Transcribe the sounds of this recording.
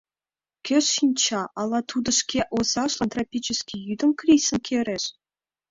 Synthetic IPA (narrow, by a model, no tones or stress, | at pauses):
kʲøʂːinʲt͡ɕɑʔɑlˠɑt̪ud̪ɤ̆ʂkʲeʔosɑʂlˠɤ̆nt̪rapʲit͡ɕə̆skʲijyd̪ə̆mkrʲisɤ̆mkʲʰeɾʲeʂ